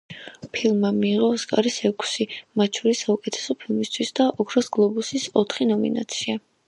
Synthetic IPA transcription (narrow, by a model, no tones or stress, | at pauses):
pʰilˠmːamiːʁɔskʼa̰ɾisɛkʰsimat̪̚t͡ʃʰɔɾisːaukʼɛt̪ʰɛ̥sɔpʰilˠmist̪ʰwisd̪aʔɔkʰɾasɡlˠɔbusisɔt̪ʰχinɔmḭna̰t̪sʰia